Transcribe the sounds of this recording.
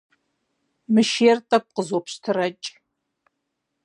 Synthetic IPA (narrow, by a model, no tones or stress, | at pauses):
mɨʃeːrtʼɐk̚ʷʼqəzopʰʃtʰɨrɐt͡ʃʼ